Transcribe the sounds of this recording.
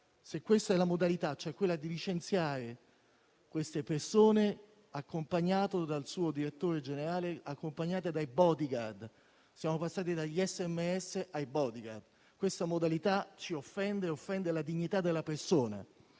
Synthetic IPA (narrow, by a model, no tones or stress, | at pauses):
sekːwest̪ɛlːamod̪alit̪at͡ʃːoɛkːwelːad̪ilit͡ʃent̪sjaːɾe | kwest̪epersoːne | akːompaɲːaːt̪od̪alsuːod̪iɾet̪ːoːɾed͡ʒeneɾaːleakːompaɲːaːt̪ed̪ajbɔd̪iɡard̪ | sjaːmopasːaːt̪̬id̪aʎːiɛsːɛmːeɛsːeʔajbɔd̪iɡard̪ | kwest̪amod̪alit̪at͡ʃiofːɛnd̪eofːɛnd̪elad̪iɲːit̪ad̪ːelːapersoːna̰